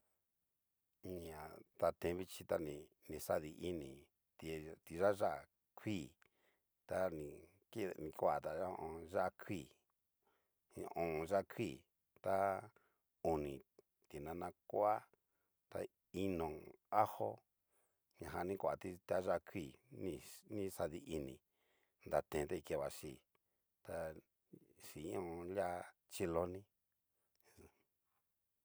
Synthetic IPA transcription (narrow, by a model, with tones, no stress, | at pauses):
ĩ˧ɲã˨t̪a˧t̪ẽ˧˦βi˦t͡ʃi˧t̪a˦nĩ˧ | nĩ˧˨sa˦ði˧ʔi˦nĩ˨ | t̪i˧t̪i˧ʒa˦ʒa˦˧˨ | kʰʷiː˦˨ | t̪a˦nĩ˧ | ki˦˨nĩ˧kʷa˨t̪a˧˦˧õ˧˨ʒa˦kʰʷi˦˨˧ | õ˧˨˧ʒa˦˧kʰʷi˦˨ | t̪a˦ | u˨nĩ˨ | t̪i˨nã˧nã˧kʷo˦a˦ | t̪a̰˧ | i˦nõ˨a˦ho˦ | ɲã˨ɦa˧nĩ˦kʷa˨t̪i˧t̪a˦ʒa˦˧kʰi˦˨nĩ˧nĩ˦sa˧ði˧ʔi˧nĩ˧ | nd̪a˨t̪ẽ˨˧t̪a˦˧i˧ke˧˨βa˨ʃi˨ | t̪a˧ | ʃi˨˦õ˦˧la˦ | t͡ʃi˧lo˧nĩ˦